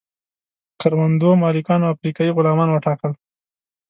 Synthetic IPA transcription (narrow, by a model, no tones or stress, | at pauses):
kaɾwand̪omɑlɪkɑnoafɾikɑjiɣʊlɑmɑnwaʈɑkəl